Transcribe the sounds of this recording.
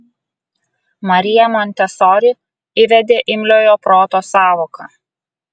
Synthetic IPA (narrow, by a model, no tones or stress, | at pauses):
mɐɾʲɪjɛmɔnʲt̪ʲɛsɔːɾʲɪ | ɪʋʲɛd̪ʲeːʔɪmʲlʲoːjoːpɾoːt̪oːsɑːʋoːkɐ